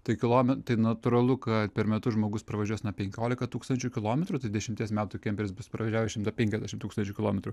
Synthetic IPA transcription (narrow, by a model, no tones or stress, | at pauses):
t̪ɐɪkʲɪlˠoːmʲɛt̪ɐɪnɐt̪ʊɾɐlˠʊkɐt̪pʲɛɾmʲɛt̪ʊʒmoːɡʊspɾɐʋɐʒʲuɔsnɐpʲɛŋʲkʲoːlʲɪkɐt̪uːkst̪ɐnʲt͡ʃʲʊkʲɪlˠoːmʲɛt̪ɾʊt̪ɐɪd̪ʲɛʃʲɪmʲt̪ʲiɛsmʲæːt̪ʊkʲɛmʲpʲɛɾʲɪsbʊspɾɐʋɐʒʲæːʋʲɛʃʲɪmt̪ɐpʲɛŋʲkʲɛzʲd̪ʲæːʃʲɪmt̪uːkst̪ɐnʲt͡ʃʲʊːkʲɪlˠoːmʲɛt̪ɾʊ